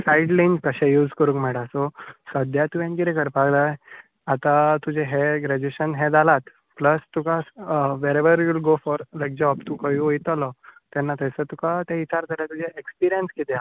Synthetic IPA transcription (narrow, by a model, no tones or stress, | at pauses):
saiɖlankəɕɛ̃juːd͡zkəɾũŋkmɛɽasosəd̪ʱjat̪ujɛ̃nkiɾekəɾpaɡd̪aj | at̪at̪ud͡ʑeɦeɡɾɛd͡ʑueɕənɦed͡zalat̪ | pləst̪ukasʋeɾeʋəɾjulɡofɔɾləɡ̚d͡ʑeɔpt̪ukəjũojt̪əlɔt̪ɛnːat̪əjsət̪ukat̪ɛ̃it͡ɕaɾd͡z̪ʱalat̪ud͡ʑeʔekspiɾijənskit̪ea